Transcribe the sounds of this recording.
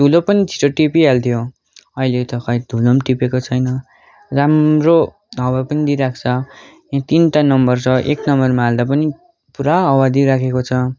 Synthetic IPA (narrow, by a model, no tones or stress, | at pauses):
d̪ʱulopʌnid͡zʰʱi̥ʈoʈipialt̪ʰjo | ʌilet̪ʌkʌjd̪ʱulʌmʈipekot͡sʰʌjnʌ | ramro | ʌwapʌnid̪iɾak̚ʰt͡sʰʌ | jãt̪inʈanʌmbʌrt͡sʰʌʔḛknʌmbʌrmaald̪ap̬ʌni | puɾaʌwad̪iɾakʰekot͡sʰʌ